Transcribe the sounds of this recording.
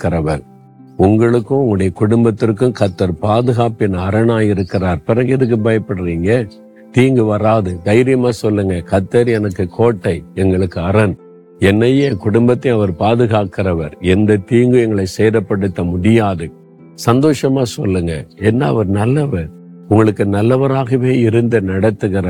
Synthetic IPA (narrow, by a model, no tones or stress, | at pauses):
kːɪɾɐʋɐɾ | ʊŋɡɐɭɯkːʊ̃ʊŋɡɐɽɐjɐkʊɽʊmbɐt̪ːɪrkːɯ̃kɐt̪ːɐɾpaːðɯɣaːpɪnːɐːɾɐnaːjɪɾɯkːɪraːɾpɪɾɐŋɡɐɪðɯk̬ːɯbɐjɐpːɐɽɯɾiːŋɡɐ | t̪iːŋɡɯʋɐɾaːðɯɡ̪ɐɪɾɪjɐmaːsɔlːɯŋɡɐkɐt̪ːɐɾɛnɐkːɯkʰoːʈːɐɪɛŋɡɐɭɯkːɯɐɾɐn | ɛnːɐjeːkʊɽʊmbɐt̪ːɪ̃ɐʋɐɾpaːðɯɣaːkɪɾɐʋɐɾɛnd̪ɐt̪iːŋɡɯɛŋɡɐɭɐɪsɛjɾɐpːɐɽɯt̪ːɐmʊɽɪjaːðɯ | sɐnd̪oːʂɐmaːsɔlːɯŋɡɐɛnːɐ̰ːʋɐɾnɐlːɐʋɐɾ | ʊŋɡɐɭɯkːɯnɐlːɐʋɐɾaːɣɐʋeːɪɾɯnd̪ɐnɐɽɐt̪ːɯɣɪɾɐ